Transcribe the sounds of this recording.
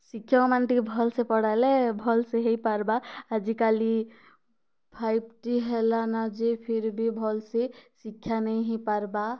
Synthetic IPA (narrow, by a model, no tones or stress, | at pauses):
sikʰːjamanʈikbʱɔlsẽpɔɽalebʱɔlseɦepaɾbaːd͡ʒikali | pʰajb̚ʈiɦelanad͡ʒepʰiɾbʱibʱɔlsesikʰjanəjɦepaɾba